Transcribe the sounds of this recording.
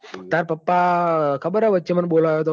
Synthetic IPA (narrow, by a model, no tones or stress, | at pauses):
t̪aːɾpɐpːakɐbɐɾɐʋɐt͡ʃːɐmɐnboːlajot̪̬o